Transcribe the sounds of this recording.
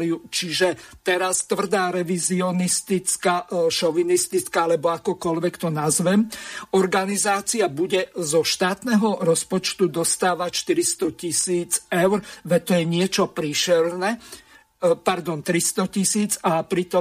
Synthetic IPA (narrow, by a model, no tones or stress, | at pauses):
liut͡ʃiʒɛt̪ɛɾast̪ʋr̩d̪aːɾɛʋiziɔnist̪it͡skaʃɔʋinist̪it͡skaalɛbɔakɔkɔlʋɛkt̪ɔnazʋɛmɔɾɡanizaːt͡siabuɟɛzɔʃt̪aːt̪nɛɦɔɾɔspɔt͡ʃt̪ud̪ɔst̪aːʋaʃt̪iɾist̪ɔcisiːd͡zɛʊɾʋɛt̪ɔjɛɲɪɛt͡ʃɔpɾiʃɛɾnɛ | paɾd̪ɔnt̪ɾist̪ɔcisiːd͡zapɾit̪ɔ